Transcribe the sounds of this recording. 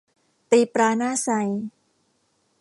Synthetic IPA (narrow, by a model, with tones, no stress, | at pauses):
t̪iː˧pɾaː˧naː˥˩sa˧j